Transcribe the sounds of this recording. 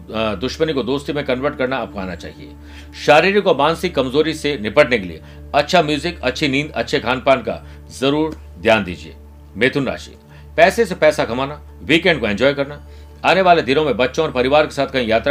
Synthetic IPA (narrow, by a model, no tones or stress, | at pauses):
d̪ʊʃmənikod̪oːst̪imẽkɐ̃nʋəɾʈkɐɾnaɐp̚kʰa̰ːnat͡ʃa̰ːɦiḛː | ʃaːɾiːɾikobaːnsɪkːɐmzoːɾisenɪpəʈnekelḭḛ | ɐtːʃʰamjuːzɪkɐtːʃʰinĩːnd̪ɐ̰tːʃʰekʰaːnpaːnka̰ | zɐɾuːɾ | d̪ʱjaːnd̪ḭːd͡ʒiḛː | meːt̪ʰʊnɾa̰ːʃḭ | pɛːsesepɛːsaɡʱɐmaːna | ʋiːkɛ̃ːɳɖ̚koɛ̃nd͡ʒɔːjkɐɾna | aːneʋaːled̪ʱɪɾõmẽbɐtːʃõɔːɾpɐɾɪʋaːɾke̥saːt̪ʰkɐɦĩjaːt̪ɾa